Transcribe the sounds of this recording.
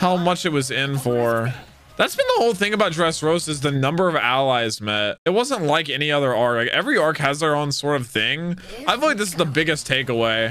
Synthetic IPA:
haʊmʌt͡ʃɨt̚wʌzɪ̃nfə˞ | ðætsb̥ɨ̃nðəhoʊlˠθɪ̃ŋɨbaʊt̚dɹɛsɹoʊsɨzðɨnʌ̃mbə˞ʌvæ̰lˠaɪzmɛt̚ɨt̚wʌzə̃nʔˡlaɪkɛñiʌðə˞ɑɹklaɪkɛvɹiɑɹkhɨzðə˞õʊ̃nsɔɹɾʌv̥θɪ̃ŋʔaɪfilaɪk̚ðɪsɨzðəbɪɡɨstʰeɪkəweɪ

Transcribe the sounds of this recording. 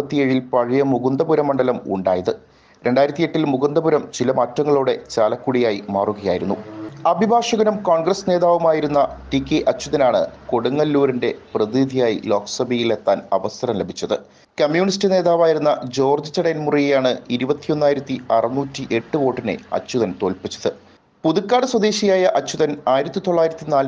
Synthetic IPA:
ɐt̪ːijeːɻilpɐɻijɐmuɣund̪ɐbuɾɐmːɐɳɖɐlɐmṵɳɖaːjɐðɨ | ɾʔe̞ɳɖaːjiɾɐt̪ːije̞ʈːilmuɣund̪ɐbuɾɐmt͡ɕilɐmɐːtɾɐŋːɐɭuːɽe̞t͡ɕaːlɐkːuɽijaːjimaːruɣɐjaːjiɾun̪ːuɐbʱibʱaːʂɐɣɐnumkoːɳɡrɐsne̞ːðaːʋumaːjiɾunːɐʈikːeʔɐt͡ɕːuðɐnaːɳɨ̰koɽuŋːɐlːuːɾinde̞prɐðid̪ʱijaːjḭlo̞ːksɐbijilet̪ːaːnɐʋɐsɐɾɐmlebʱit͡ɕːɐðɨ | kɐmjuːɳistɨne̞ːðaːʋaːjiɾunːɐd͡ʑo̞ːrd͡ʑɨt͡ɕɐɽɐnmurijejaːɳɨiɾubɐt̪ːijo̞nːaːjiɾɐt̪ːiɐrɐnːuːtːiʔe̞ʈːɨʋo̞ːʈːinḛɐ̰t͡ɕːuðɐnt̪o̞ːlpit͡ɕːɐ̥ðɨ | puðukːaːɽɨswɐd̪eːɕijaːjɐʔɐt͡ɕːuðɐnaːjiɾɐt̪ːit̪oɭːaːjiɾɐt̪ːinaːl

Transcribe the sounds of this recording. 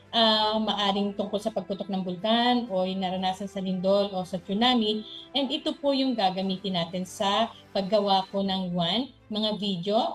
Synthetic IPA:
ʔɐmɐʔaːɾɪŋt̪ʊŋkolsɐpɐɡ̚pʊt̪ok̚nɐŋbʊlkanojnɐɾɐnaːsɐnsɐlɪnd̪olʔo̞sɐt͡ʃʊnaːmiʔɛnd̪ɪt̪opojʊŋɡaːɡɐmiːt̪ɪnaːt̪ɪnsɐ | pɐɡːɐwaːponɐŋwan | mɐŋavid̪jo̞

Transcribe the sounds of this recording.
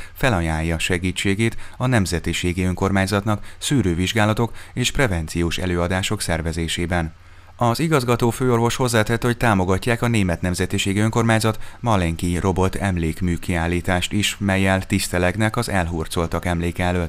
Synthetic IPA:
fɛlɒjaːjːɒʃɛɡiːt͡ʃːeːɡeːt̪ɒnɛmzɛt̪iʃeːɡiøŋko̞rmaːɲzɒt̪nɒksyːɾøːviʒɡaːlɒt̪o̞keːʃprɛvɛnt̪sijoːʃɛ̰løːɒd̪aːʃo̞ksɛrvɛzeːʃeːbɛn | ɒziɡɒzɡɒt̪oːføːo̞rvo̞ʃho̞zlɛt̪hɛt̪ːho̞c̚t̪aːmo̞ɡɒcːaːkɒneːmɛt̪nɛmzɛt̪iʃeːɡiøŋko̞rmaːɲzɒt̪mɒlɛŋkirʔo̞bo̞t̪ʰɛmleːkmyːkiaːlːiːt̪aːʃt̪iʃmɛjːɛlt̪ist̪ɛlɛɡnɛkɒzɛlɦuːrt̪so̞lt̪ɒkɛmleːkɛɛløːt̪

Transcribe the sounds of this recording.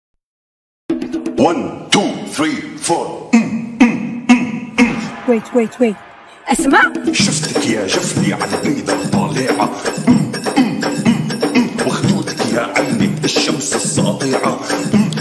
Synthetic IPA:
want̪uːθɾiːfoːɾ | wejt̪wejt̪wejt̪ | ʔasmaʔʃʊft̪kjaːʒafniʕalaʔaːd̪ɑt̪ˤːɑːlɪːʕa | waxd̪uːt̪ḁkjaːʕajnɪkɪʃːamsɨsˤːɑ̰ʔt̪ˤiːʕa

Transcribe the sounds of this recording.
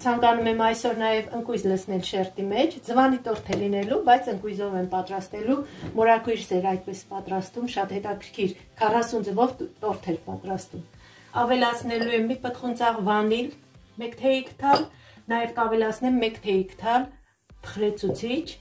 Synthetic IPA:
t͡sʰɑŋkɑnumɛmɑjsɔɾnɑjɛvəŋkujzləsʰnɛlʃɛrt̪imɛt͡ʃʰd͡zəvɑnit̪ɔɾt̪ʰɛlinɛlubɑjt͡sʰəŋkujzɔvɛmpɑt̪ɾɑst̪ɛlumɔɾɑkujɾsɛɾɑjd̪̚pɛspɑt̪ɾɑst̪vumʃɑt̪hɛt̪ɑkʰəɾkʰiɾ | kʰɑrɑsund͡zəvɔvt̪ɔɾt̪ʰɛɾpɑt̪ɾɑst̪um | ɑvɛlɑt͡sʰnɛlujɛmipət̪χunt͡sɑʁvɑnil | mɛkt̪ʰɛikʰt̪ʰɑl | nɑjɛvkɑvɛlɑt͡sʰnɛmːɛkt̪ʰɛikʰt̪ʰɑl | t̪ʰə̥χɾɛt͡sʰut͡sʰit͡ʃʰ

